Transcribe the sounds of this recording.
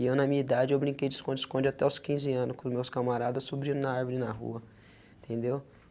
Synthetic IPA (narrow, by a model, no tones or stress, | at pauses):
iewnɐmĩɲɐid̪ad͡ʒɪewbɾĩŋkejd͡ʒɪskõd͡ʒiskõnd͡ʒiat̪ɛwskĩzɪɐ̃nʊskʊzmewskamaɾad̪ɐssubɾĩɾʊ̃nɐaaɾvolɪnɐɦṵɐ | ĩt̪ʰẽnd̪ew